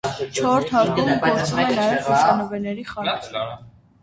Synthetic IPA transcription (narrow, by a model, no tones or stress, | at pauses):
t͡ʃʰɔɾt̪ʰhɑɾt̪umpʰɔɾt͡sʰumɛnɑjɛvɑʃɑnɔvɛnɛɾiχɑɾɛ